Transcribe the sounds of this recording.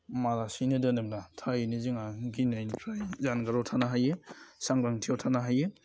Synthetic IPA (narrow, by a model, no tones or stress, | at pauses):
maɾasinɯdɯnɯmnatʰajiniziŋaɡinajnpʰɾajzanɡaɾowtʰanaɦajɯsaŋɾaŋtʰijawtʰanaɦajɯ